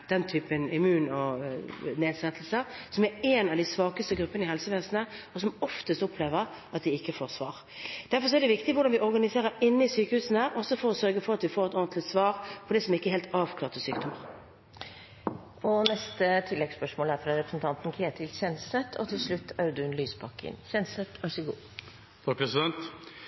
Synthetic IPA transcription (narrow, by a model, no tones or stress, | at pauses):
d̪̥ɛnt̪ʰyːpənɪmʉːnɔ | neːd̪sɛt̪lsəsɔmæɾɛːnɑʋd̪ɪsʋɑːkəst̪əɡɾʉpːənɪɦɛlsəʋeːsənəɔsɔmɔft̪əst̪ɔpʰleːʋəɾ | ɑt̪̚d̪ɪɪkːəfoːɾsʋɑːʁ | d̪̥æɾfɔɾs̬ɔæd̪ɛʋɪkt̪ɪʋʊɾɖɑnʋɪʔɔɾɡɑnɪseːʁəɾɪnːəɪsyːkəhʉːsn̩æɾʔɔsɔfɔɾɔsœɾɡəfɔɾɑt̪ʋɪfoːɾɛt̪ɔːnt̪lɪt̪sʋɑːɾpʰɔd̪ɛsɔmɪkːəɛɾheːlt̪ɑːʋkʰlɑːɾt̪ʰəsyːkd̪ɔməʁ | ɔnɛst̪ət̪ʰɪlːɛɡspœʂmoːlæɾfɾɑɾɛpɾəsn̩t̪ʰɑnt̪n̩kʰɾeːt̪ʰɪlçɛnsɛt̪ʰːɔ̰t̪ʰɪlʂɭʉt̪ʰːæɾd̪ʉnlyːspʰɑkːɪ̰nçɛnsɛt̪ɑsɪɡuː | t̪ʰɑk̚pʰɾɛsɪd̪ɛnt̪